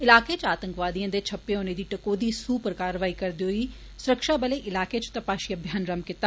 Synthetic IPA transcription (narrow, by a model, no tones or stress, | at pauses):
ɪlaːkeːt͡ʃaːt̪əŋkʋaːd̪ijãːd̪eːt͡ʃʰəpːeːoːneːd̪iːʈəkoːd̪iːsuːpəɾkaːɾʋaːiːkəɾd̪iːɦoːiː | sʊɾəkʃaːbəleːʔɪlaːkeːt͡ʃt̪əpaːʃiːəbʱjaːnɾəmkɪt̪ːaː